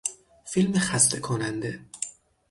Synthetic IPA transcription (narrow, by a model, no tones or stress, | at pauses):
filmexæst̪ʰekʰonænd̪e